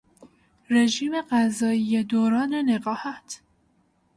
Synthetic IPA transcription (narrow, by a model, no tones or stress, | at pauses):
re̞ʒiːme̞ɢæzɒːijed̪oːɾɒːne̞ne̞ɣɒːhæt̪ʰ